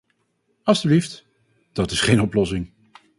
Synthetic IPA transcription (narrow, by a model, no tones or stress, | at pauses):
ɑlˠstyblift | d̥ɑtɪsχejnɔplɔsɪŋ